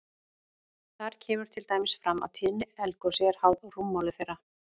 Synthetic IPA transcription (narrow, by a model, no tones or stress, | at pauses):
θaɾ̥cʰɛːmʏɾ̥t̪ʰɪlt̪aːjmɪsfɾama̰ðt̪ʰɪðnɪɛlkɔsɛɾ̥hawðr̥umːawlʏθejrːa